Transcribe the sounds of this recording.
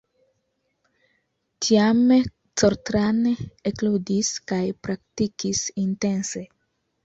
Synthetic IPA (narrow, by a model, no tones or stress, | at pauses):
tiame | t͡soɾt̪ɾaneekludiskajpɾaktikisintense